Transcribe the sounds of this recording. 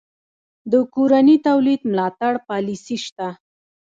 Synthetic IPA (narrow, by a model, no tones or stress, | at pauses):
d̪əkoɾanit̪awlid̪mlɑt̪aɽpɑlisiʃt̪a